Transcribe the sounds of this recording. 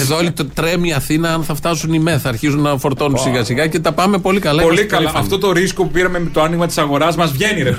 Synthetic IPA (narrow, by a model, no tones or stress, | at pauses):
eðoolit̪t̪ɾe̞miɐθinɐɐnθɐft̪ɐsunimeθɐːɾçizunːɐfo̞ɾt̪o̞nunsiɣɐsiɣɐce̞t̪ɐpɐme̞po̞likɐlɐolikɐlɐft̪o̞t̪o̞ɾisko̞pupiɾɐmemt̪oɐniɣmɐt̪i̥sɐɣo̞ɾɐzmɐzvʝe̞niɾe